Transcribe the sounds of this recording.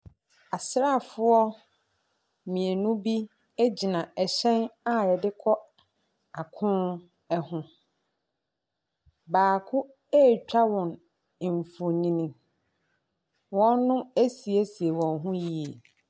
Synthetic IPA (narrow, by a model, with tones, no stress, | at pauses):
a˨sɾa˦˨fʊ˦ɔ˦ | mĩ˨e˨nʊ̃˦bi˦ | e˦d͡ʑi˨nã˨ɛ˨ɕɛ̃˦na˦ɛ˨dɪ˦kʰɔ˦ | a˨kʰʊ̃˦ | ɛ˦hʊ̃˦ | baː˨kʰʊ̃˦ | e˦˨t͡ɕᶣa˦wɔ̃˨n˨ | ɱ˨fo˨ɲĩ˦nĩ˨ | wɔ̃˦nːʊ̃˦e˦si˨e˦si˨e˨wɔ̃˨nɦʊ̃˦ji˦e˨